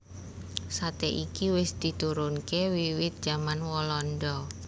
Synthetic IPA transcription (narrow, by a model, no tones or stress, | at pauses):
sat̪ɛʔikiwɪsd̪̥i̤t̪uɾʊnkewiwɪt̪̚dd͡ʒ̥amanwɔlɔndɔ